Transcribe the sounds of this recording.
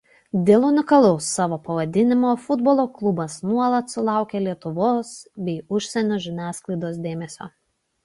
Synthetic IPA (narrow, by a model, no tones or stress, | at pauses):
d̪ʲeːlˠʊnʲɪkɐlˠʊsːɑːʋoːpɐʋɐd̪ʲɪnʲɪmoːfʊd̪boːlˠoːklˠʊbɐsnuɔlˠɐt̪sʊlˠɑˑʊkʲeːlʲiɛt̪ʊʋoːsbʲɛɪʊʃʲsʲɛnʲoːʒʲɪnʲæːsklˠɐɪd̪oːs̬d̪ʲeːmʲɛsʲo̰ː